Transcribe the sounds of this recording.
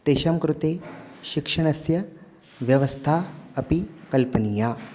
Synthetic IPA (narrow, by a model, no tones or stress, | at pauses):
t̪eːʃɐmkɾut̪eːʃikʂɐɳ̃ɐsjɐ | ʋjɐʋɐst̪ʰaɐpikɐlpənijaː